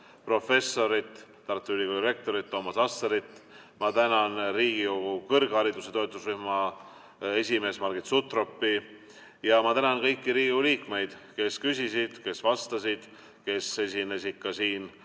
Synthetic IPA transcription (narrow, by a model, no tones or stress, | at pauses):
pro̞fe̞sːo̞ɾit̪ː | ɑrt̪ːˑyyliɡod̪iɾe̞k̚t̪o̞ɾit̪̚t̪ːo̞ːmɑsɑsːeɾit̪ːˑ | mɑt̪ænɑnriːɡioɡukɤrɡ̥hɑɾid̪use̞t̪o̞et̪ːˑusryhmɑ | e̞sʲime̞ːsmɑrɡit̪sut̪ro̞pːi | jɑmɑt̪ænɑnkɤ̞jkːiɾiːɡiuliːkme̞jd̪̥ke̞skysʲisid̪̥ke̞svɑst̪ɑsid̪̥ | ke̞se̞sinesikːɑsiːn